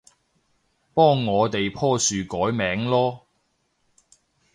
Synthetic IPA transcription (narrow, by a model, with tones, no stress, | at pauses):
pɔː˥ŋːɔː˨˧t̪e˨jpʰɔː˥syː˨kɔː˨˥jmɛː˨˥ŋlɔː˥